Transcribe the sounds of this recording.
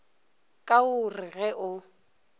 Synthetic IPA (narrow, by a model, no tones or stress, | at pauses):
kʼaʊrɪɣɛʔʊ